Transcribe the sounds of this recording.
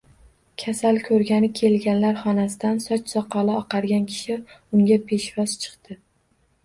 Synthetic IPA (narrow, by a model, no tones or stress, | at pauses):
kʲʰasalkʲʰɵɾɡʲanɪkʲʰe̞lɡʲanlaɾχɒnasɪd̪ansɒt͡ʃsɒqʰɒlɪɒqʰɑɾɡʲankʲʰɪ̥ʃɪʊŋʲapʰe̞ʃvɒzt͡ʃʰɨ̥qt̪ɪ